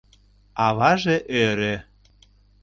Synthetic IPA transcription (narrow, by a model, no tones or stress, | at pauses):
ɑβɑʒeʔøɾe